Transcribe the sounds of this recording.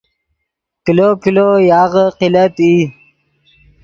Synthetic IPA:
kilokilojɑːɣəqilət̪i

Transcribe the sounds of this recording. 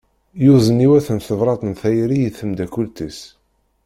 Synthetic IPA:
jʊzˤəniwæθənθəvɾˤɑt̪ˤənθæjɾijəθəmd̪ækult̪is

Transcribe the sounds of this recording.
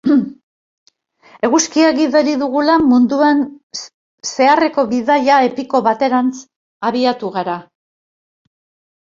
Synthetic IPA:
e̞ɣuskiaɣiðo̞ɾiðuɣ̞ulamund̪uan | se̞are̞ko̞βiðaʎae̞piko̞βat̪e̞ɾant͡s | aβiat̪uɣaɾa

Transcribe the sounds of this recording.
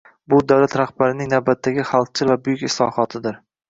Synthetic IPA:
bʊd̪awlat̪ɾaχbaɾɪnɪŋnawbat̪ʰːaɡʲɪχalˠq̚t͡ʃʰɪɾvabʊjʊkʲɪslˠɒ̰χɒt̪ʰɪd̪ɪɾ

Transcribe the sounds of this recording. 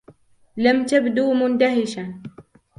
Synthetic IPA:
lamt̪abd̪uːmʊnd̪aɦɪʃan

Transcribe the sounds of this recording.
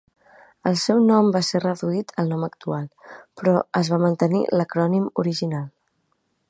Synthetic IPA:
əlˠsɛwnɔmbaserəðuit̪ʰəlˠnɔməkt̪ualˠpɾɔəzβamənt̪ənḭləkɾɔnimuɾiʒinalˠ

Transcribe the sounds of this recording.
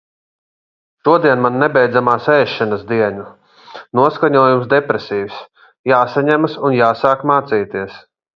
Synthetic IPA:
ʃuɔd̪iɛnmanːɛbɛjd̪zamaːsɛːʃːɛnasd̪iɛɲu | nuɔskaɲuɔjumsd̪ɛpɾesʲiːws | jaːsaɲɛmasunjaːsaːkmaːt̪siːt̪iɛəs

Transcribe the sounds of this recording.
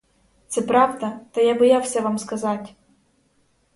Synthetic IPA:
t̪sɛpɾɑʋd̪ɐt̪ɐjabɔjawsʲɐʋɑmskɐzɑtʲ

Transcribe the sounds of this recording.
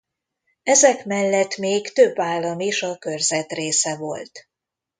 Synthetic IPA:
ɛzɛkmɛlːɛt̪meːkt̪ø̞bːaːlːɒmiʃɒkø̞rzɛt̪reːsɛvo̞lt̪

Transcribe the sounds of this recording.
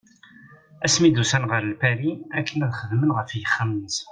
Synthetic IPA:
æsmid̪usænʁəɾəlpæɾiækːənæðχəðmənʁəfjəχːamnəs

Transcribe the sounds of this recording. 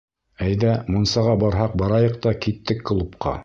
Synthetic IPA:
æjðæmunsɑʁɑbɑɾɦɑq̚bɑɾɑjɤq̚t̪ɑkit̪ːɘkːɤ̆lˠup̚qɑ̰

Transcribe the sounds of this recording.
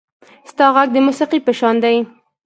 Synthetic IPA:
st̪ɑɣaɡ̚d̪əmusiqipəʃɑnd̪aj

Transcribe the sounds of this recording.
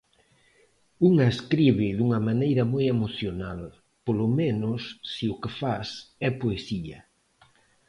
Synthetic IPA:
uŋaeskɾiβɪðuŋɐmanejɾɐmojemoθjonal | polʊmenʊsːiʊkɪfasɛpoesiɐ̰

